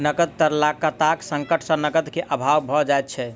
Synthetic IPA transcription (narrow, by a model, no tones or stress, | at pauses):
nəɡət̪̚t̪əɾlakət̪aksə̃ŋkəʈʰsə̃nəɡət̪keʔəbʱawbʱɔd͡ʒajt̪̚t͡ʃʰɛ